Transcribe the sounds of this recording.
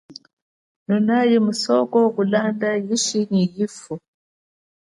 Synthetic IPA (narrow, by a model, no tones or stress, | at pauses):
nunajimusɔkɔkulandajiʃinijifu